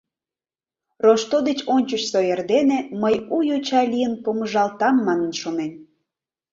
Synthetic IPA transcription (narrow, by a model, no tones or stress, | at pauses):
roʃt̪od̪et͡ɕonʲt͡ɕət͡ɕsoerd̪eneməjujot͡ɕɑlʲijənpoməʒɑlt̪ɑmːɑnə̆nʃonen